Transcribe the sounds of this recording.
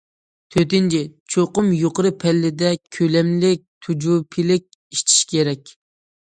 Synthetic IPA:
t̪ʰøt̪ɪnt͡ʃʰɪt͡ʃʰoqʊmjoqəɾɨpʰɛlːɪd̪ɛkʲʰølɛmlɪk̚ʲt̪ʰud͡ʒupʰɪlɪk̚ʲ | iʃt͡ʃ̪ʰi̥ʃkʲʰeɾɛkʲ

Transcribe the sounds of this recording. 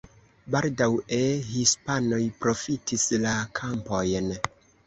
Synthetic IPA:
baldawehispano̞jpɾo̞fitʰislakʰampo̞jn

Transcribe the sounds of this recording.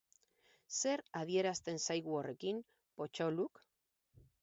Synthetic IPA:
se̞ɾað̞ie̞ɾast̪e̞nsajɣuore̞kim | po̞t͡ʃoluk

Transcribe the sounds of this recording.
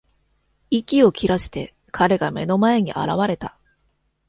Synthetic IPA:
ikʲio̞kʲiɾaɕi̥t̪e̞ | kʰaɾe̞ɡame̞no̞mae̞ɲ̟iʔa̰ɾaβ̞aɾe̞t̪a

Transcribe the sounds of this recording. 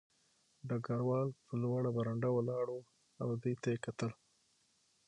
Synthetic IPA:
ɖaɡaɾwɑlpəlwaɽabaɾaɳɖawalɑɽo | awd̪ujt̪ajekat̪əl

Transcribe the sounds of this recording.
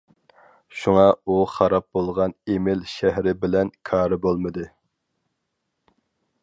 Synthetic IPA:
ʃuŋɑuχɑɾɑp̚bolˠʁɑnemɪlʃæhɾɪbɪlɛnkʰɑːɾɨbolˠmɨd̪ɨ

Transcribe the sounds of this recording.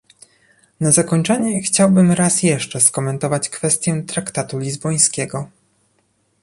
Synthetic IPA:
nazakɔɲt͡ʂɛɲɛxt͡ɕawbɘmɾasjɛʂt͡ʂɛskɔmɛnt̪ɔvat͡ɕkfɛst̪ʲjɛt̪ɾakt̪at̪ulʲizbɔj̃skʲɛɡɔ

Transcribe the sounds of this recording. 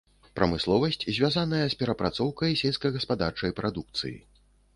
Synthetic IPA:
pɾɐmɨslˠɔvɐsʲt͡sʲzʲvʲjazanɐjɐspʲɛɾɐpɾat̪sɔwkɐjsʲɛlʲskɐjɣɐspad̪art͡ʂɐjpɾʔad̪uk̚t̪sɨ̰jḭ

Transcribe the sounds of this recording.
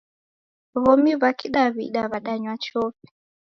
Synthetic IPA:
βɔmiβakʰiɗaβḭɗaβaɗaɲwat͡ʃɔɸɛ̥

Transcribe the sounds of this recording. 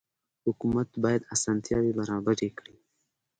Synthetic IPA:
hʊkumat̪bɑːjad̪asɑːnt̪jɑːwibaɾɑːbaɾekɽi

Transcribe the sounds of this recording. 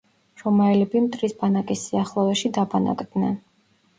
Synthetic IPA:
ɾɔmaɛlɛbimt̪ʼɾisbanakʼisːiaχlˠɔvɛʃid̪abana̰kʼd̪nɛn

